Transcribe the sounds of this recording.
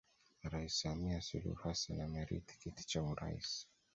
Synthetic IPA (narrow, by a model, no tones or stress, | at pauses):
ɾaissamiasulṵhasanamɛɾḭti̥kiti̥t͡ʃauɾa̰ḭs